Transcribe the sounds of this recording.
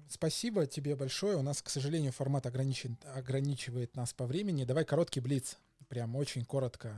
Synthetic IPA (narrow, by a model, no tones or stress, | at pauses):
spɐsʲibətʲɪbʲe̞bɐlʲʂo̞jəʊnasksəʐɨlʲenʲɪjʊfɐrmat̪ɐɡɾɐnʲit͡ɕɪnɐɡɾɐnʲit͡ɕɪvəjɪt̪naspɐvɾʲemʲɪnʲɪd̪ɐvajkɐɾo̞t̪kʲɪjblʲit̪s | pɾʲamo̞t͡ɕɪnʲko̞ɾət̪kə